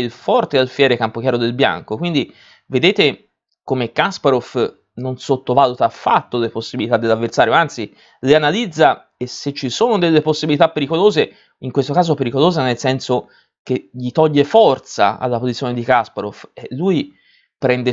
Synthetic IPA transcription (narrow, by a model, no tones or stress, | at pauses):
ilfɔrt̪ealfjɛːɾekampok̟jaːɾod̪elbja̰ŋkokwind̪i | ved̪eːt̪e | komekaspaɾof | nonsot̪ːovaːlut̪aːfːa̰t̪ːoleposːibilit̪ad̪ːelavːert̪saːɾjoant̪si | leanalid̪zːa | esːet͡ʃːisoːnod̪elːeposːibilit̪apːeɾikoloːze | iŋkwest̪okaːzopeɾikoloːzenelsɛnso | keʎit̪ɔʎːefɔrt̪sa̰a̰lːapozit̪sjoned̪ikaspaɾofɛlːui | pɾɛnd̪e